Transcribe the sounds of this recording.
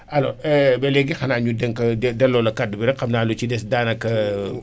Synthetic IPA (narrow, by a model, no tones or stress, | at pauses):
ɐlɔ̰ɛbɛlɛɡixɐnaːɲudɛŋkɐɛdɛlːɔlɐkadːbiɾɛxɐmnaːlut͡ʃidɛsdaːnɐkːɐ